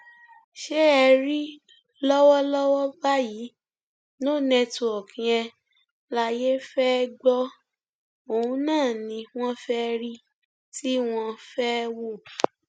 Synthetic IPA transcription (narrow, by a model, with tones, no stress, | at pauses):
ʃe˦ɛ˧ɾi˦ | lɔ˦wɔ˦lɔ˦wɔ˦ba˦ji˨˦ | no˦˨nɛ̃˧tu˨ɔ˨kʰĩ˨ɛ˧ | la˧je˦fɛ˦ɡ͡bɔ˦ | o˨ũ˦nãː˦˨nĩ˧w̃ɔ̃˦fɛ˦˧ɾi˦ | ti˦w̃ɔ̃˧fɛ˦wo˦˨